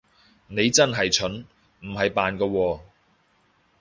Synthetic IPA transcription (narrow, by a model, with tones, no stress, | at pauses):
ne˨˧jt͡sɐ˥nɦɐ˨jt͡ʃʰɵ˨˥n | m̩˨˩ɦɐ˨jpaː˨nkɐː˧wɔː˧